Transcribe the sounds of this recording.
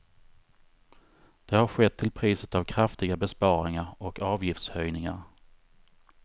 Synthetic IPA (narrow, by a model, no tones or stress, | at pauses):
d̪̥ɛhaɾɧɛt̪ʰːɪlpʰɾiːsət̪avkʰɾaft̪ɪɡabɛspɑːɾɪŋaɾɔkɑːvjɪft̪shœjnɪŋa̰ɾ